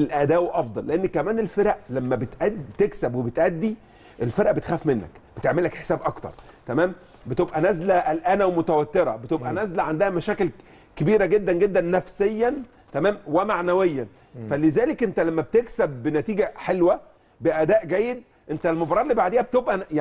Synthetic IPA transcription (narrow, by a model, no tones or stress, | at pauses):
elʔæd̪æːwʔɑfd̪ˤɑlːeʔenːkæmæːnelfeɾæʔlæmːæbet̪ʔæd̪ːit̪eksæbwebet̪ʔæd̪ːi | ʔelfeɾʔæbet̪xæːfmenːæ̰kb̥et̪eʕmelːækħe̥sæːbʔɑkt̪ɑ̰ɾˤt̪æmæːm | bet̪ebʔænæzlæʔælʔæːnæwmot̪æwæt̪ːeɾɑ̰bet̪ebʔænæzlæʕand̪æhæmæʃæːkel | kebiːɾæɡed̪ːænɡed̪ːænːæfsejːæn | t̪æmæːmwemaʕnæwejːæn | fælezæːlekʔent̪ælæmːæb̚t̪eksæbːenæt̪iːɡæħelwæ | beʔæd̪æːʔɡæːjːed̪̚ | ʔent̪ælmobɾˤɑːɾˤlːibaʕd̪eːhæbet̪ebʔæj